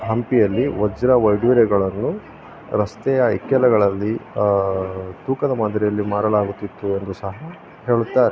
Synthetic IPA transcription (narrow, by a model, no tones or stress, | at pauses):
ɦɐmpijɐlːiʋɐd͡ʒɾɐʋɐjɖʋiɾɛɡɐɭɐnːu | ɾɐst̪ɛjɐikjɐlɐɡɐɭɐlːi | t̪uːkɐd̪ɐmɐnd̪ɾɛjɐlːimaːɾɐlaːɡut̪ːit̪ːue̞nd̪usɐɦɐ | ɦe̞ːɭut̪ːaːɾe